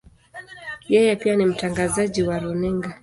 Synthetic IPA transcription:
jɛjɛpianim̩taŋɡazaʄiwaɾɔnɛŋɡa

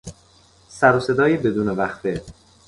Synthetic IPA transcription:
sæɾose̞d̪ɒːjebe̞d̪uːnevæxfe

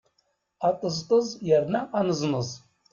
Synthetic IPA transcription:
at̪ʼəzt̪ʼəzjærnæanəznəz

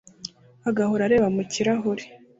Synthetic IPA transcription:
aɡahoɾaɾe̞ːβamuciɾaɦoɾi̥

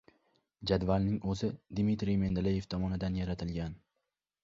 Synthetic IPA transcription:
d͡ʒad̪valˠnɪŋɵzɪd̪mɪt̪ɾime̞nd̪lejevt̪ʰɒmɒnɪd̪anjaɾat̪ʰɪlɡʲan

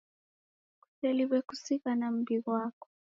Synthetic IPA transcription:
ku̥tɛliβɛkusikanam̩biɣwaːkɔ̥

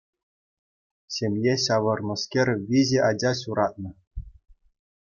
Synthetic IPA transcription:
ɕʲemʲjeɕɑʋɤ̆rnɤ̆skʲerʲʋʲiʑeʔɑd͡ʑɑɕuɾɑt̪̚nɤ̆

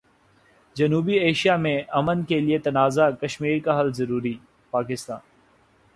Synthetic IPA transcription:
d͡ʒɐnuːbieːʃijamẽʔɐmənkeliet̪ɐnaːzakɐʃmiːɾkaɦɐlzɐɾuːɾi | paːkɪst̪a̰ːn

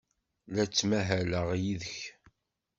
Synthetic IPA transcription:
læt͡sːmæɦæləʁjiðəç

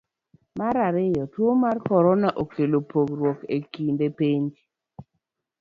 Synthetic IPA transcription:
maɾaɾɪjɔtwomarkɔɾɔnaʔokʰelopoɡɾwɔkekindepeɲd͡ʒ

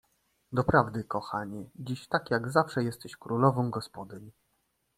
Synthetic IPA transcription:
d̪ɔpɾavd̪ɘkɔxaɲɛd͡ʑiɕt̪akʲjaɡzafʂɛjɛst̪ɛɕkɾulɔvɔ̃w̃ɡɔspɔd̪ɘɲ

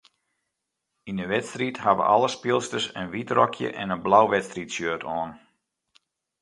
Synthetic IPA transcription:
inəʋɛtstrithaʋə̰ʔa̰lˠəspɪlˠstəsənʋitrɔkʰjə̰ʔɛnənblawʋɛtstritsjøːtʰɔːn

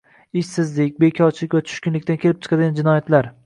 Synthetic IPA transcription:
ɪʃsɪzlɪkʲbe̞kʲʰɒɾt͡ʃʰɪlɪkʲvat͡ʃʰʊ̥ʃkʲʊnlɪkʲt̪ankʲʰe̞lɪp̚t͡ʃʰɨ̥qʰɑd̪ɪɡʲand͡ʒɪnɒjat̪laɾ

